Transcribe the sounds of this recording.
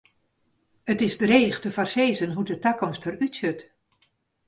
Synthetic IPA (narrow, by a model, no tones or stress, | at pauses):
ətɪzdəreːχtəfarseːzənɦudətakɔmstərytsøt